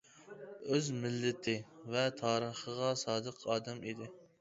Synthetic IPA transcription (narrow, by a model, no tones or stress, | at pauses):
øzmɪlːɪt̪ʰɪvɛt̪ʰɑːɾəχəʁɑsɑːd̪əqʰɑːd̪ɛmid̪ɪ